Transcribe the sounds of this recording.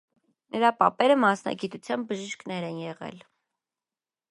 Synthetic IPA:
nəɾɑpɑpɛɾəmɑsnɑ̰ɡit̪ut͡sʰjɑn̚bəʒiʃkʰnɛɾɛnjɛʁɛ̰l

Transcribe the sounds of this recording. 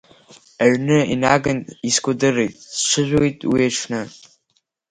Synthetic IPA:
aɥnɨinaɡɨniskʷodɨrejtʼsʂʷɨʒᶣʷojtʼwiaʈ͡ʂʰnɨ

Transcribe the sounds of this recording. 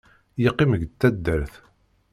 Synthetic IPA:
jiqːiməʝt̪ːæd̪ːəɾθ

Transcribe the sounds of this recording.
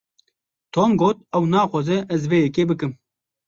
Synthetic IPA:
t̪ʰoːnɡoːt̪̚ɛwnɑːxʷɑzɨʔɛzveːjɛkeːbɨkɨm

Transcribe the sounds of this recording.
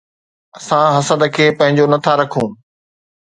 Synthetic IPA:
ɐsãɦɐsəd̪əkʰeːpɐ̃ɦɪ̃ɲd͡ʑonɐt̪ʰaɾɐkʰũː

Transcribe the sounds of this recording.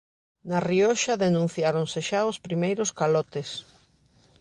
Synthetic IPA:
nariɔʃaðenũn̟θjaɾonseʃaospɾimejɾoskalɔt̪ɪs

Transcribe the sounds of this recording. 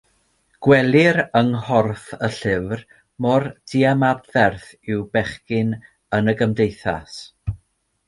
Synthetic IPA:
ɡ̥wɛlˠɪɾəŋhɔrθəɬɪvr | mɔrd̥iamabðɛrθɪwbɛχkɪn | ənəɡəmdejθa̰s

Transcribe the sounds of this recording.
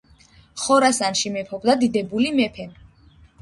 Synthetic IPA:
χɔɾasanʃimɛpʰɔbd̪ad̪id̪ɛbulimɛpʰɛ

